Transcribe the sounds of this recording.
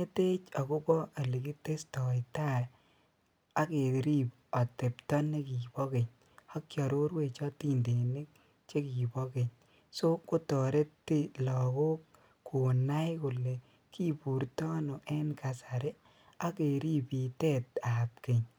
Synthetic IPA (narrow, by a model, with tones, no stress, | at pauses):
e˦te˦t͡ʃa˨kʊ˦bɔ˦e˨li˨ki˦te˦stɔ˨ɪ˨ta˦ | a˦ke˨ɾi˦p̚ | ɔ˨te˨ptɔ˦ne˦ki˨bɔ˦ke˨ɲ | a˦kjɔ˨ɾo˦ɾwe˨t͡ʃɔ˦ti˦nde˨ne˦k | t͡ʃe˦ki˨bɔ˦ke˨ɲ | so˦kʊ˦tɔ˨ɾe˦tɪ˦lɔ˨ko˦kː | ʊ˨na˦jkʊ˨le˨ | ki˦pu˨ɾtɔ˦no˨ʔɛ˦nka˨sa˨ɾe˦ | a˦ke˨ɾi˦pi˨tɛ˦ta˨p̚ke˨ɲ